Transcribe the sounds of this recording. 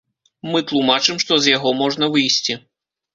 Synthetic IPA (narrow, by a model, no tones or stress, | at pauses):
mɨt̪lˠumat͡ʂɨmʂt̪ɔzjaɣɔmɔʐnɐvɨjsʲt͡sʲi